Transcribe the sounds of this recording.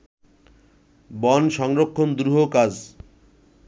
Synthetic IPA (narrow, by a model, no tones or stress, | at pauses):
bɔnʃɔŋɾokʰːond̪ɾuɦokad͡ʑ